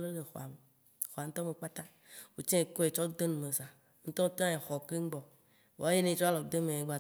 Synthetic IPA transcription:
le˦le˨xɔ̰˨a˨me˨ | xo˨a˨ŋ̩˦t̪ɔ˦me˨k͡pa˦t̪a˦ | wo˨t͡ʃẽ˦e˨ko˦e˨t͡ʃɔ˦d̪e˦nũ˨me˨za˨ | ŋ̩˦t̪ɔ˦t̪ɔ̃˦e˨xɔ˨ke˦ŋ̩˦ɡ͡bɔ˨ | wo̰˨a˦je˦nẽ˨˦t͡ʃɔ˦a˦lɔ˨˦d̪e˦me˨e˨ɡ͡ba˨

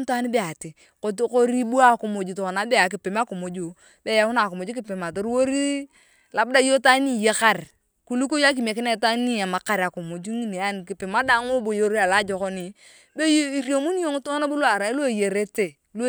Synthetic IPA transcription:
n˦ta˦ni˦be˦a˨ti˨ | ko˨tko˦ɾi˦bu˦a˦˨ko˨mo˨d͡ʒu˨to˨ko˨na˨˦be˦˨a˨k̬i˨pe˨m˦a˦ko˨mo˨d͡ʒu˨ | be˦ja˦wu˦na˨ko˨mo˨d͡ʒu˦k̬i˦˨pe˨ma˨to˨ɾwo˦ɾi˦ | la˨bu˦da˦jo˦ta˦ni˦˨je˦ka˦˨r | ku˦lu˦ko˦ja˦k̬i˨m˨a˨kɪ˦na˦ta˦ni˦a˨ma˨ka˨ɾa˨ko˨mo˨d͡ʒu˦ŋi˦˨ne˨a˦n˨ki˨pe˨ma˦da˦ŋo˦bo˨jo˦ɾi˦a˨la˦d͡ʒo˨ko˦ni˨ | be˦ji˦ɾjo˨mu˦n˦jo˦ŋ˦tŋa˦na˦bu˦lwa˨ɾa˨i˦lo˦˨je˨ɾe˦te˨ | lo˦

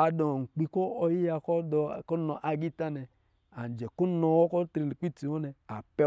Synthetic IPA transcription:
a˨dɔ˨ŋ̩˨k͡pi˧kɔ˦ɔ˧ji˦ja˧kɔ˦dɔ˧˨kɔ˦nɔ˨ʔa˨ɡi˦ta˦nɛ˨ | a˨n˨d͡ʒɛ˨ko˦nɔ˧wɔ˦kɔ˦tɾi˧˨li˨ki˦ti˨wɔ˦nɛ˨a˨pɛ˦

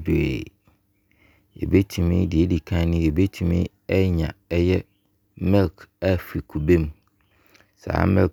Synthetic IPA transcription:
dḛ˨ | ḛ˨be˦tʰi˨mɪ̰̃˦dɪ˨e˦di˨kʰã˦nɪ̃˦e˨be˦tʰu˨mɪ̰̃˦ | ɛ˦ɲã̰˨ɛ˦jɛ˦ | mɛ̃˦lka˦fi˨kʰu˨be˦m˦ | sa̰˨˦mɛ̃˦l

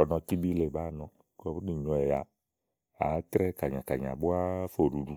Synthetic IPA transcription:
ɔ˨nɔ˧ki˦bi˦le˨ba˦˨nɔ˧ | kɔ˨bu˦ni˨ɲɔ˨ɛ˨ja˨ | a̰˨˦tɾɛ˦ka˨ɲa˨ka˨ɲ˨a̰˨bʊ˦a˦fo˨ɾu˨du˨

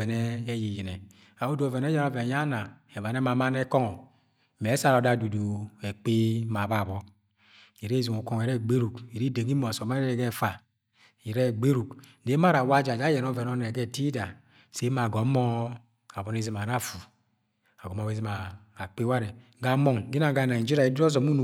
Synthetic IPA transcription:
ɛ˨nɛː˦ji˨ji˨nɛ˨ | a˨o˦do˨vɛ˨ne˦ja˦ɾɔ˦ve˨ja˦na˨ɛ˨m˨a˨ne˦ma˨ma˦nɛ˦kɔ˦ŋɔ˨ | me˨˦sa˦ɾɔ˨˦da˦du˨do˨e˨k͡pe˦ma˨ba˦˨βɔ˦ | i˨ɾe˦zu˨ŋu˨kɔ˦ŋ˨e˨ɾɛ˦˨ɡ͡be˦ɾu˨ki˨ɾi˦de˨ɡi˦mo˨so˨ma˦ɛ˨ɡɛ˦˨fa˨ | i˨ɾɛ˦˨ɡ͡be˦ɾu˨k | de˨˦ma˦ɾa˨wa˦d͡ʒa˨d͡ʒa˦jɛ˨n˦ɔ˦vɛ˨nɔ˦ne˨ɡɛ˦˨ti˦da˨ | se˨˦ma˨ɡɔ˨˦mɔ˦ | a˨bɔ˨ne˦zi˨ma˨na˦˨fu˨ | a˨ɡɔ˨˦m˦a˨˦e˦zi˦maː˨ | k͡pe˦wa˦ɾe˨ | ɡa˨˦mɔ˦˨ŋɡi˦na˨ɡa˨na˨d͡ʒi˦ɾa˨i˨˦du˦ɔ˦zɔ˨mu˦nu˨

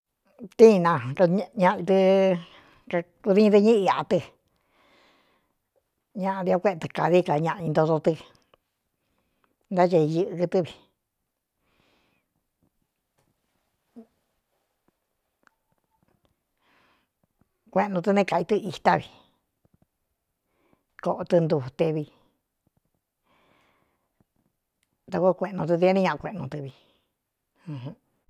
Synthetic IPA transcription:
t̪ĩ˦˧nã˧kɲã˧i˧t̪ɨ˧ | ka˧ | ku˧ði˧˦ĩ˧t̪ɨ˧ɲĩ˦i˧a˨ʔt̪ɨ˧ | ɲã˧ʔã˧ði˧o˧kʷe˦˧t̪ɨ˧ka˨ði˦ka˨ɲã˧ʔã˧ĩ˧nd̪o˧ðo˧t̪ɨ˧ | nd̪a˦t͡ʃa˧i˧jɨ˧ʔkɨ˧t̪ɨ˦βi˨˧˨ | kʷe˧ʔnũ˧t̪̬ɨ˧nẽ˧ka˨i˧t̪ɨ˦˧i˧t̪a˦˧βi˧ | ko˧ʔo˧t̪ɨ˧nd̪u˧˨t̪e˧βi˧ | t̪a˧ko˦˧kʷẽ˧ʔnõ˧t̪̬ɨ˧t̪i˧ẽ˦nĩ˦ɲã˧ʔa˧kʷẽ˧ʔnũ˧t̪ɨ˧βi˧ | hũ˧hũ˦

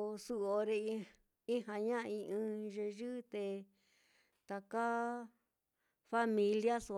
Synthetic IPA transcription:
su˧o˧ɾe˧ | i˦ha˧ɲã˦˧ĩ˧ʔɨ̃˧ʒe˧ʒɨ˦t̪e˧ | t̪a˨ka˦ | fa˦mĩ˧lja˦su˧

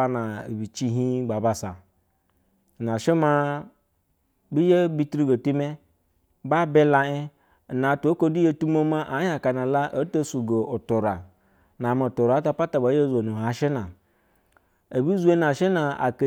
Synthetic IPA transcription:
a˦na̰˨bi˨t͡ʃi˦ɦi˦ɡ͡ba˨ba˨sa˨ | na˨ʃe˦ma˦ | bi˦je˦bi˦tɾi˦ɡo˨tu˦me˦ | ba˦be˦la˧e˦˨ | na˨tu˨˦o˦ko˦du˦je˦tu˦mo˦ma˦ʔa˨˦ja˨ka˨na˨la˦ʔo˦to˦su˨ɡo˨o˨to˨ɾa˨ | na˨me˨to˨ɾa˨˦ta˧pa˦ta˨ba˨˦je˦zo˨nu˨ɦa˨ʃe˦na˨ | a˨bi˦zu˦e˦na˨ʃe˦na˨a̰˨ke˨

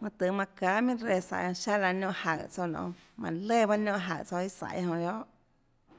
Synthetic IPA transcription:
mã˧t̪ɨ˨mã˧kaː˨˦mĩ˦ɾe˧˨sa̰˨jhõ˧ʃa˦la˧nõ˦˧ʔha˨t͡so˧˨nõ̰˧˨ | mã˨le˦˨ba˦nõ˦ʔɦa̰˨ʔt͡so˧i˦sa̰˧˨jhõ˧˨jo˦ʔ

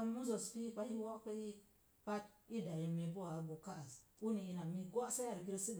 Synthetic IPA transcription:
a˦mu˦zo˨spi˦pa˦i˦wo˦ka˦i˦ | pa˦t̚i˦da˨ji˨mi˨p̬o˦wa˨˦ɡo˨ka˦a˨su˦ni˨i˨na˨mi˨ɡo˦sa˦ja˨ɾɡi˦ɾsi˦d

